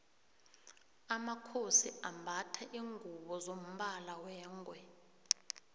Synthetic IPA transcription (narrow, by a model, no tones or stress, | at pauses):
amakʰosiambʱatʰaʔiːŋɡʱuɓɔzom̩ɓalawɛːŋɡʱwɛ